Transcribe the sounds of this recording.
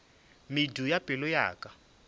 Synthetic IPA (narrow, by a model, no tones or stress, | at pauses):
midujapʼɪlʊja̰ːkʼa